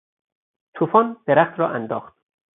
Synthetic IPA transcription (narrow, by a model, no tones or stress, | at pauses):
t̪ʰuːfɒːnd̪̥eɾæχt̪ɾɒːʔænd̪ɒːχt̪̚